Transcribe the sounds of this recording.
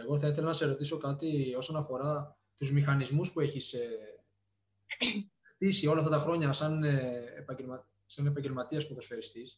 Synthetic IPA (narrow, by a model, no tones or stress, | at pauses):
e̞ɣo̞θɐiθe̞lɐnɐseɾo̞t̪iso̞kɐt̪io̞sonɐfo̞ɾɐ | t̪uzmixɐnizmuspue̞çise | xt̪isio̞lɐft̪ɐt̪ɐxɾo̞ɲɐsɐneːpɐelmɐ | sɐne̞pɐɲɟe̞lmɐt̪iɐspup̪ɾosfeɾist̪is